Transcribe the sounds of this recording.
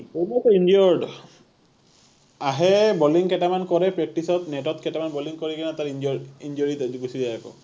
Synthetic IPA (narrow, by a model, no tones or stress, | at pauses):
ɔmɔtind͡ʒɔɹɖ | aɦɛbɔliŋkɛtamankɔɹɛpɹɛk̚tisɔtnɛtɔtkɛtamanbɔliŋkɔɹikɛnataɹind͡ʒɔɹind͡ʒɔɹitaziɡusizajbɔ̰